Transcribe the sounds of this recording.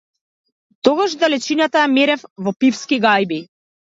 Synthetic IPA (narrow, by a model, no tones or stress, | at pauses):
t̪ɔɡaʃd̪alɛt͡ʃinat̪ajamɛɾɛfvɔpifskiɡajbi